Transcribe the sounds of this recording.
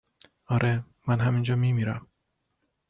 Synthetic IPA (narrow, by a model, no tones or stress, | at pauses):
ɒːɾʔe | mænɦæmind͡ʒɒːmiːmiːɾæm